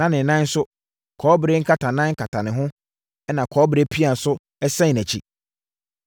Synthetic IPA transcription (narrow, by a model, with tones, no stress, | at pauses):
ã˦nɪ̃˨nã˦n̩˦sʊ˦ | kʰɔː˨˦bɪ˨ɾe˦ŋ̩˦kʰa˨tʰã˨nã˦ŋ̩˦kʰa˨tʰã˨nɪ̃˨ɦʊ̃˦ | ɛ˦nã˨kʰɔː˨˦bɪ˨ɾe˦pʰi˦a˨n̩˨sʊ˦ | ɛ˦sɛ̃˦˨næ˨t͡ɕʰḭ˦